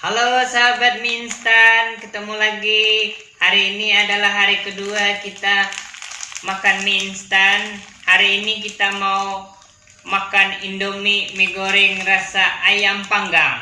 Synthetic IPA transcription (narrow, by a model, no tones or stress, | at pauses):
halosaɦabat̪̚minst̪ankət̪əmulaɡi | haɾiːniadalaɦaɾikəduakit̪a | makanminst̪anhaɾiːnik̬it̪amau | makanindomimiɡoɾɪŋrasaʔajaŋpaŋɡaŋ